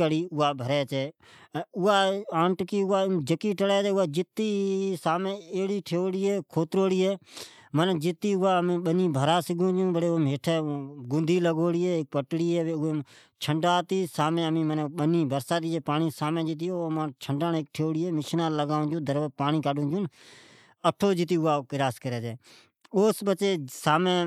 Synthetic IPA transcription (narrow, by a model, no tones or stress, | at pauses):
əɽiːʊːaːbʱəɾɛːt͡ʃeː | ʊaːaːɳʈkiːʊaːd͡ʒəkiːʈəɽɛːt͡ʃɛːʊaːd͡ʒɪt̪iːsaːmẽːeːɽiːʈʰeoːɽiːeːkʰoːt̪ɾoːɽiːeːmənd͡ʒɪt̪iːʊaːmẽːɓəniːbʱəɾaːsɪɡõːd͡ʒũːbʱəɽeːomɦeːʈʰeːɡʊnd̪ʱiːləɡoːɽiːeːk̚pəʈɽiːeːeːʊeː | t͡ʃʰəɳɖaːt̪iːsaːmẽːəmĩːməneɓəniːbəɾsaːt̪iːeːpaːniːsaːmẽːd͡ʒɪt̪̬joːmãːt͡ʃʰəɳɖaːneːk̚ʈʰeoːɽiːeːmɪʃnãːləɡaːõːd͡ʒũːd̪əɾpaːniːkaːɗũːd͡ʒũːn | əʈʰoːd͡ʒɪt̪̬iːʊːaːkɪɾaːskəɾeːd͡ʒeː | oːsɓət͡ʃeːsaːmẽː